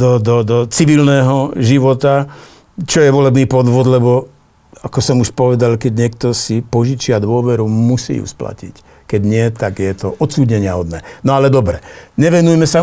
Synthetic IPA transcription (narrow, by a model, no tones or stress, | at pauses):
d̪ɔd̪ɔd̪ɔt͡siʋilnɛːɦɔʒiʋɔt̪a | t͡ʃɔjɛʋɔlɛbniːpɔd̪ʋɔd̪lɛbɔ | akɔsɔmuʃpɔʋɛd̪alkɛɟɲɪɛk̚t̪ɔsipɔʒit͡ʃɪad̪ʋʊɔʋɛɾumusḭːjṵspla̰cḭc | kɛɟɲɪɛt̪aɡjɛt̪ɔʔɔt̪t͡suːdɲɛɲɪaɦɔd̪nɛːnɔalɛd̪ɔbɾɛɲɛʋɛnujɛmɛsa